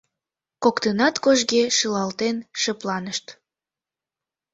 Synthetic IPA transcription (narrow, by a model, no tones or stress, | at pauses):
kokt̪ənɑt̪koʒɡeʃəlɑlt̪enʃəplɑnəʃt̪